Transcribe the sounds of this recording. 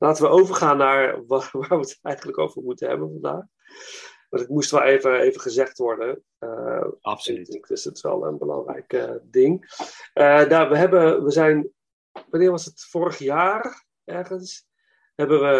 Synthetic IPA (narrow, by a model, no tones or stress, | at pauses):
lʔaːtəʋəʔowvəɹχaːnːaːɹʋʋaːɹʋətɛjχənləko̰wvəɹmutənɦɛ̰bənvɑnda̰ːχ | ʋɑntɪtmustʋɛlˠejvəejvəχəzɛχtʋɔɹdə | əftkɪsətʋɛ̰lˠə̰nbəlɑ̰ŋrɛ̰jkədɪŋʔədaːʋəɦɛbəʋəzɛjn | ʋanɪːɹʋɑsətfʊːɾəχjaːr | ɛɹχəns | ɦɛbəʋə